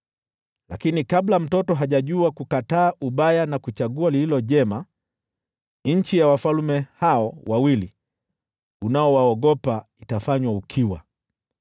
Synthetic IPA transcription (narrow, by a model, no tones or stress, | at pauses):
lakinikablam̩tɔtɔɦaʄaʄuakukataːʔuɓajanakut͡ʃaɡualililɔʄɛma | ɲ̩t͡ʃijawafalmɛhaɔwawili | unaɔwaɔɡɔpaitafaɲwaukʰiwa̰